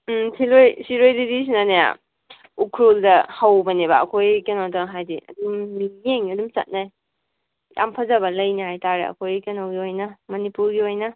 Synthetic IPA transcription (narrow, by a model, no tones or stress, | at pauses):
silojsiɾojdidis̬inaneja̰ | ukʰɾoldɐhawbɐnebɐ̰ːkʰojkenawtaŋɦajdiʔɐ̰dumːijeŋɐdumt͡ʃɐ̰t̚naj | ja̰mpʰɐzɐbɐlɐjnihajtaɾeɐ̰kʰojkenawɡiojnɐmɐnipuɾɡiojnɐ